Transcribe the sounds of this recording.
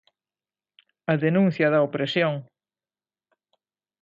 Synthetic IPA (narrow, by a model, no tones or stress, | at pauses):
ɐðenũn̟θjɐðɐopɾesjoŋ